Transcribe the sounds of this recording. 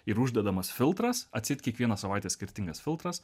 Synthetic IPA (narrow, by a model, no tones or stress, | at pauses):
ɪɾʊʒʲd̪ʲɛd̪ɐmɐsfʲɪlˠt̪ɾɐsɐt̪ʲsʲɪt̪ʲkʲiɛkʋʲiɛnɐsɐʋɑˑɪt̪ʲɛːsʲkʲɪɾʲt̪ʲɪŋɡɐsfʲɪlˠt̪ɾɐs